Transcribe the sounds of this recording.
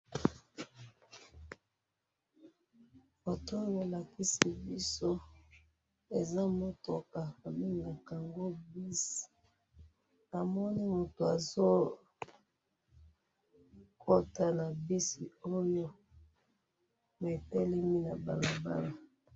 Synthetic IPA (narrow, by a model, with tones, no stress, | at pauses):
bo˨to˦jbo˨la˨ki˦si˨bi˦so˦ | e˨za˦mo˦to˨ka˨mi˦na˨ka˨ŋɡo˦bi˦si̥˨ | a˨mɔ˦ni˦mo˨to˨a˨zo˦ | ko˦ta˦na˨bi˦si˨o˦jo˦ | mɛ˨tɛ˦lɛ˦mi˦na˨ba̰˨la˨ba˦la˨